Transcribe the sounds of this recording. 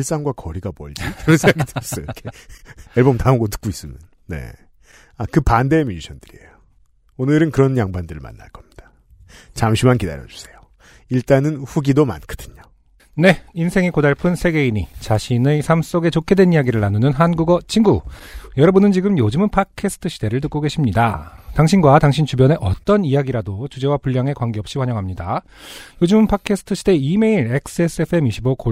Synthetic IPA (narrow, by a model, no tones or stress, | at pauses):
iɭs͈aŋɡwakʌɾiɡapʌ̰ɭd͡ʑikɯɾʌnsʰŋaɡideʌs͈ʌjk͈ʰeeɭbomtauɡotɯ̥k͈ois͈ɯmjʌnːe̞̰ | akɯpandemiuɕʰʌnd̥ɯɾiḛjo | onɯɾɯnkɯɾʌnjaŋbandɯɾɯɭma̰nːa̰ɭk͈ʌmɲid̥a | t͡ɕamɕʰimankida̰ɾjʌd͡ʑu̥sʰe̞jo | iɭt͈anɯnɸuɡidoma̰nkɯ̥d̥ɯɲo | ne̞insʰe̞ŋekodaɭpʰɯnsʰe̞ɡe̞iɲit͡ɕaɕʰinesʰams͈oɡe̞t͡ɕokʰe̞dwe̞nijaɡiɾɯɭːanunɯnɦanɡuɡʌt͡ɕʰinɡujʌɾʌbɯnɯnt͡ɕiɡɯmjod͡ʑɯmɯnpʰakʰesʰɯ̥tʰɯɕʰid̥e̞ɾɯɭtɯk͈oɡe̞ɕʰimɲida̰taŋɕʰinɡwataŋɕʰint͡ɕubjʌne̞ʔʌ̰t͈ʌnijaɡiɾadot͡ɕud͡ʑe̞wapuʎːaŋe̞kwaŋɡeʌp̚ɕ͈iwaɲʌŋɦamɲida̰ | jod͡ʑɯmɯnpʰakʰesʰɯ̥tʰɯɕʰide̞ime̞iɾe̞k̚s͈ɯe̞s͈ɯepʰɯe̞miɕʰiboko